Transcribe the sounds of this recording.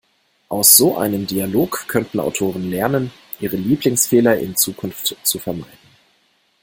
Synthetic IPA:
ʔaʊsz̥oːʔa̰ɪnəmdialoːkkʰːœntn̩a̰ʊtʰoːʁ̞ənlɛɐnən | ʔiːʁ̞əliːplɪŋsfeːlɐʔɪ̰nt͡suːkʰʊnftt͡sufɛɐma̰ɪdn̩

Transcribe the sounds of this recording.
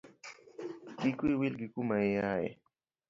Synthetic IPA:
kɪkʊjwɪlɢɪkʊmaeaḛ

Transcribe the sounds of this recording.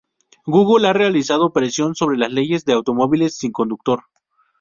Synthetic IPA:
ɡuɣulare̞alisað̞o̞pɾe̞sjo̞nso̞β̞ɾe̞lasle̞ʝe̞zðe̞awt̪o̞mo̞βile̞sːiŋko̞nd̪uk̚t̪o̞ɾ

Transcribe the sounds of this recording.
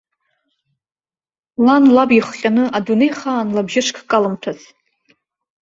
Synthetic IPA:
lanlabiχqʲʼanɨʔadune̞jχaːnlabʒɪʂkʰkʼalɨmtʰat͡sʰ

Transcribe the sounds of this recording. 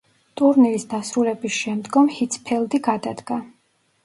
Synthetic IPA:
t̪ʼuɾniɾisd̪asɾulɛbisʃɛmd̪ɡɔmhit̪sʰpʰɛlˠd̪iɡad̪ad̪ɡa

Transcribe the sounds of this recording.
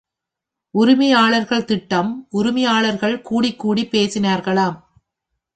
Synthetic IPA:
ʔʊɾʊmɪjaːɭɐɾɣɐɭt̪ɪʈːɐmʔʊɾʊmɪjaːɭɐɾɣɐɭkuːɽɪkːuːɽipːeːsɪnaːɾɣɐɭaːm

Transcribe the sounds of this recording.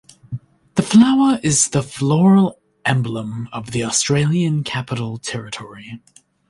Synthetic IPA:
ðəflaʊə˞ʔɪzðəflɔɹəlˠ | ʔɛ̃mblə̃mʌvðiɔstɹ̥eɪlˠjɨ̃nkʰæpəɾl̩ˠtʰɛɹɨtʰɔɹi

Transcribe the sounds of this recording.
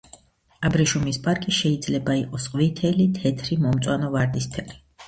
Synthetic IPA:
abɾiʃumispʼaɾkʼiʃɛid̪zlɛbaiqʼɔsqʼvit̪ʰɛlit̪ʰɛt̪ʰɾimɔmt̪sʼwanɔvaɾd̪ist̪ʰɛli

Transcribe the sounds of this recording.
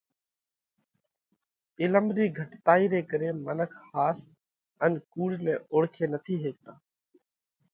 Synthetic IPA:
ɪləmɾiːɡʱəʈt̪aːiːɾeːkəɾeːmənəkʰhaːs | ənkuːɽnẽːoɽkʰeːnət̪ʰiːɦeːk̚t̪aː

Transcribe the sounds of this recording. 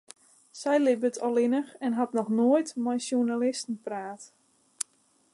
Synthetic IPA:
sɛjlɪbətʰɔlˠɪnəxɛnɦatnɔxnoəjtmɛjsjunalɪstn̩praːt

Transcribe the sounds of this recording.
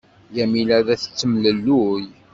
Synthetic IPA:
jæmilæðæθə̥t͡sːəmləlːuj

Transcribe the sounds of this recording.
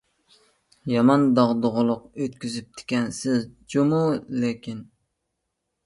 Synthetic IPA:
jɑmɑnd̪ɑʁd̪oʁʊlˠʊqøt̪̚kʲyzyp̚t̪ʰɪ̥kʲɛnsɪzd͡ʒomulekʲin

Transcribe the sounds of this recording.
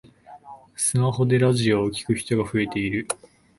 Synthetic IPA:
sɨmaɦo̞d̪e̞ɾaʑio̞ːkʲi̥kɯ̟çi̥t̪o̞ɡaɸɯ̟e̞t̪e̞iɾɯ̟

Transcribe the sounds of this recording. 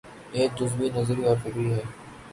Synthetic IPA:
eːk̚d͡ʒʊsbinɐzɾiɔːɾfɪkɾiɦɛː

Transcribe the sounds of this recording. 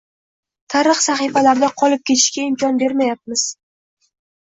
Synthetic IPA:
t̪ʰaɾɨχsaχɨfalaɾd̪aqʰɒlˠɪp̚kʲʰe̞t̪ʰɪ̥ʃkʲaɪmkʲɒnbe̞ɾmajap̚mɪz̥

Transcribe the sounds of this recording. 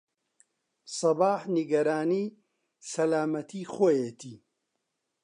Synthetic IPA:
sɑbaːħniɡɐɾaːniː | sɐlaːmɐt̪ʰiːxojeːt̪ʰiː

